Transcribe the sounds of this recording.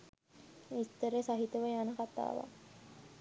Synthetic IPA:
ist̪əɾesaɦit̪əʋəjaːnɐkat̪a̰ːʋa̰

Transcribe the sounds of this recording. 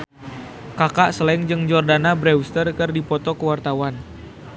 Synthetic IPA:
kakaʔsəlɛŋd͡ʒɨŋd͡ʒɔrdanabɾɛwst̪ərkərdipɔt̪ɔkəwart̪awan

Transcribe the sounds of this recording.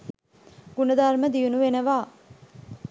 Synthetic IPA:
ɡ̥unəd̪aɾməd̪iunuʋenəʋaː

